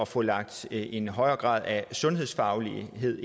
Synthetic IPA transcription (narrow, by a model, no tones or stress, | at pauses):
ɒfɔ̽lɑ̈ɡ̥̚d̥e̝nɦɒ̽ɪ̰ɐːɡ̥ʁɑ̰̈ːð̞ˠæsɔ̽nɦḛsfɑ̈ʊliɦe̝ð̰ˠ